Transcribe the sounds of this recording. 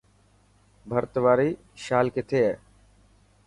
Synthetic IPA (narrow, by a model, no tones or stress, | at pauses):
bʱəɾt̪ʋaːɾiː | ʃaːlkɪt̪ʰeːɦɛː